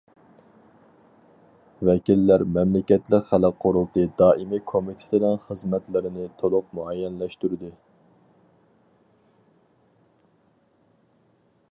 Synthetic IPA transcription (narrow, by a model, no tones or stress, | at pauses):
vɛkʲilːæɾmɛmlɪkʲɛt̪lɪkχæləqʰːoɾulˠt̪ɨd̪ɑːʔimikʰomit̪ʰɪ̥t̪ʰɪnɛnχəzmɛt̪lɪɾɪnɪt̪ʰolˠʊq̚muɑjɛnlɛʃt̪uɾɪd̪ɨ